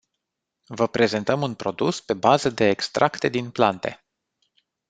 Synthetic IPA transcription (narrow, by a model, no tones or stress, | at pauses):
vəpɾe̞ze̞nt̪əmunpɾo̞d̪uspe̞bazəd̪e̞ːkst̪ɾʔakt̪e̞d̪inplant̪e̞̰